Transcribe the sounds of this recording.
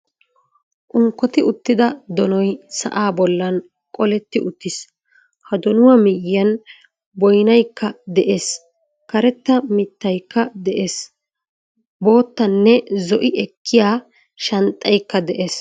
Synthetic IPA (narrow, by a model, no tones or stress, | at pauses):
ʔʊŋkːɔt̪ɪʊt̪ːɪd̪ɐd̪ɔnɔjsɐ̰ʔaːbɔlːɐn | kʼɔlɛt̪ːɪʔʊt̪ːɪs | hɐd̪ɔnʊwɐmɪjɪɐn | bɔjnɐjkːɐd̪ɛʔe̞ːs | kɐɾɛt̪ːɐmɪt̪ːɐjkːɐd̪ɛʔeːs | bo̞ːt̪ːɐnːɛzɔʔɪʔɛkʰːɪjaː | ʃɐnt̪ʼːɐjkːɐd̪ɛʔe̞ːs